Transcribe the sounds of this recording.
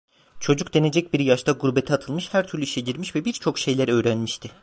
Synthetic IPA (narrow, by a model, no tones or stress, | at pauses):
t͡ʃʰo̞d͡ʒukd̪e̞ne̞d͡ʒɛc̚biɾjaʃt̪ʰaɡuɾbet̪ʰiat̪ʰɯlˠmɯʃhæɾt̪ʰyɾlʲyiʃɛɟiɾmiʃvɛbiɾt͡ʃʰo̞kʃe̞jlʲæɾø̞ːɾænmiʃt̪ʰɪ